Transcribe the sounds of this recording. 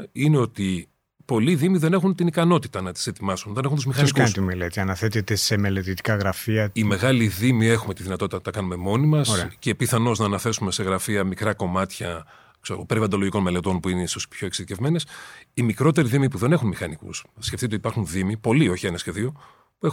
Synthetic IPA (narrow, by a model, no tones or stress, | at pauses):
ineo̞t̪i | po̞liðimiðene̞xunt̪inikɐno̞t̪i̥t̪ɐnɐt̪i̥se̞t̪imɐsunot̪ɐnexunt̪uzmixɐnikɐunst̪imelet̪iɐnɐθet̪et̪esemelet̪it̪i̥kɐɣɾɐfiɐime̞ɣɐliðimie̞xume̞t̪iðinɐt̪o̞t̪it̪ɐɐkɐnume̞mo̞nimɐsɾcepiθɐno̞znɐːnɐθe̞sume̞se̞ɣɾɐfiɐmikɾɐko̞mɐt̪çɐ | kseɾoɣopeɾivɐnd̪o̞loʝiko̞nme̞le̞t̪o̞npuineisospço̞eksiðice̞vme̞ne̞simikɾo̞t̪e̞ɾiðimipuðe̞ne̞xunmixɐnikṵsːceft̪it̪et̪ipɐɾxunðimipo̞lio̞çie̞nɐsçe̞ðio̞ | pue̞x